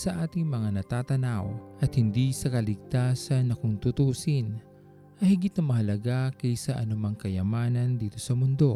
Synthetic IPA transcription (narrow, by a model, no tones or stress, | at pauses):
sɐʔaːt̪ɪŋmɐŋanɐt̪aːt̪ɐnawʔɐt̪̚hɪnd̪isɐkɐlɪɡ̚t̪aːsɐnːɐkʊŋt̪ut̪uːsin | ʔɐhɪɡɪt̪̚nɐmɐɦɐlɐɡakɐjsɐʔɐnʊmaŋkɐjɐmaːnɐnd̪iːt̪o̞sɐmʊnd̪o̞